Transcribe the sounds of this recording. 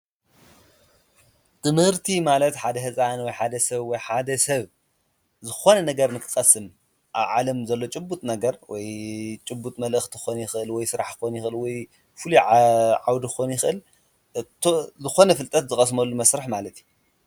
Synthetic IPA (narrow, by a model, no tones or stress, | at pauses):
t̪ʰɨmhɨɾt̪ʰimalɐt̪ħad̪ɐɦɨzʼanwɔjħad̪ɐsɐβwɔjħad̪ɐsɐβ | zɨxo̞nɐnɐɡɐɾnɨkʰɨ̥xʼɐsɨm | ʔaβʕalɐmzɐlːo̞t͡ʃʼɨbːut̪ʼnɐɡɐɾwɔjt͡ʃʼɨbːut̪ʼmɐlʔɨxt̪ʰɨ̥xonjɪxɨʔɨlwɔjsɨɾaħɨkonjɪxʔɨlwɔj | fɨluʕawd̪ixonjɪxɨʔɨl | zɨxo̞nɐfɨlt̪ʼɐt̪zɨxʼɐsmɐlːumɐsɾaħmalɐt̪ju